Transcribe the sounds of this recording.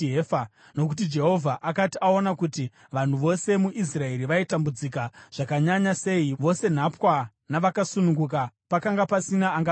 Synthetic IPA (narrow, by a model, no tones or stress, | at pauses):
efa | no̞k̬ut̬id͡ʒe̞ɦo̞vʱaʔakatiʔao̞nakuti | ʋan̤uʋo̞se̞muʔis̬rae̞ɾiʋaitambud͡zikaʐ̥akaɲaɲase̞iʋo̞se̞n̤apwa | naʋakasunuŋɡukapakaŋɡapasinaːŋɡa